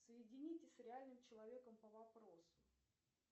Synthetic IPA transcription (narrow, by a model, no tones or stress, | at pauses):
səjɪdʲɪnʲitʲɪsʲsɾʲɪalʲnɨmt͡ɕɪlˠɐvʲe̞kəmpəvɐpɾosʊ̥